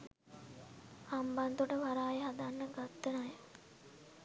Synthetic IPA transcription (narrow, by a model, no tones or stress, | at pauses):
amband̪uʈəʋaɾaːjeɦad̪anːəɡat̪ːənaj